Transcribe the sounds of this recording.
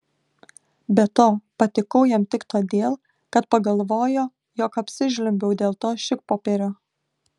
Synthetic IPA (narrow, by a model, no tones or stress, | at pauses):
bʲɛt̪oːpɐt̪ʲɪkɐʊjɛmt̪ʲɪkt̪oːd̪ʲeːlˠ | kɐt̪pɐɡɐlˠʋoːjoː | joːkɐpʲsʲɪʒʲlʲʊmʲbʲɛʊd̪ʲeːlˠt̪oːʃʲɪk̚poːpʲeːɾʲoː